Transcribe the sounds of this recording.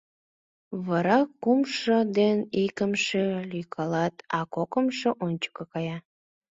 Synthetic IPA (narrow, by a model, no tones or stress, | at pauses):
βɑɾɑkːumʃod̪enikəmʃelyjkʰɑlɑt̪ɑkokəmʃoʔonʲt͡ɕə̥kɤkɑjɑ